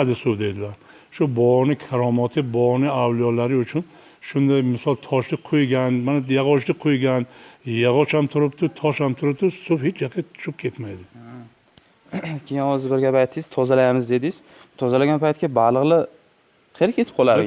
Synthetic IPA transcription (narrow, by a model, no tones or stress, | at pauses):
ad̪ɪsowd̪e̞d̪ɪlaɾ | ʃʊbɔnɪkʰaɾɒmat̪ʰɪbɒnɪawlijɒlaɾɪʊt͡ʃʰʊn | ʃʊnd̪ajmɪsɒlˠt̪ʰɒʃlɪqʰojɡʲanmanajaʁɒʃlɪqʰojɡʲanjaʁɒt͡ʃamt̪ʰʊɾɪpt̪ʊt̪ʰɒʃhamt̪ʰʊɾɪp̚t̪ʊsofhet͡ʃʰjaqʰat̪ʰʊ̥ʃɪp̚kʲʰe̞t̪majd̪ɪ | kʲʰejɪnhɒzɪɾbɪɾɡʲapajt̪ʰːɪjz̥t̪ʰɒzalajmɪzd̪e̞d̪ɪz̥ | t̪ʰɒzalaɡʲanpʰajt̪kʲabalˠɨʁlˠɪ | qʰelɪkʰʲet̪ʰɪp̚qʰɒlˠaɾ